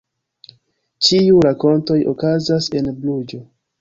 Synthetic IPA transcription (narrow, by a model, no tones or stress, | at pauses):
t͡ʃiuɾako̞nto̞jo̰kazase̞nblud͡ʒo̞